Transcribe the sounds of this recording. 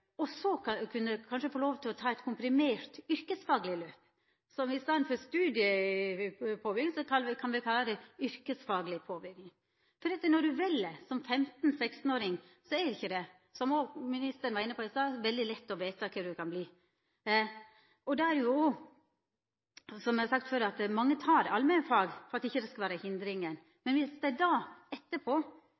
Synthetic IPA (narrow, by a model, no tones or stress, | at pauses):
ɔsɔkʰʉnːəkʰɑnʂəfoːloːʋt̪ʰɪlɔt̪ʰɑːɛt̪kʰʊmpɾɪmeːɾt̪ʏɾkəsfɑːɡlɪløːp | sɔmɪst̪ɑːnfɔst̪ʉːd̪ɪə | pʰoːbʏɾɡɪŋsɔkɑkʰɑnʋɪkʰɑlːəd̪ɛʏɾkəsfɑːɡlɪpʰoːbʏɾɡnɪŋ | fɔɾɑt̪ːənɔɖʉʋɛlːəsɔmfɛmt̪n̩sɛkst̪n̩oːɾɪŋ | sɔɛɾɪçːəd̪ɛ | sɔmɔmɪnɪst̪əɾənʋɑɾɪnːəpʰɔːɛsɔɛʋɛld̪ɪlɛt̪ːɔʋeːt̪ɑkʰɛmd̪ʉkʰɑnbliː | ɔd̪ɑæɾɛjʊo | sɔmjɛhɑsɑk̚t̪føːɾɑt̪mɑŋːət̪ʰɑːɾɑ̰lmɛnfɑːɡfɔɾɑt̪ɪçːəd̪ɛskɑʋæːɾəhɪnd̪ɾɪŋən | mɛnʋɪsd̪æɪd̪ɑːɛt̪ːəpʰoː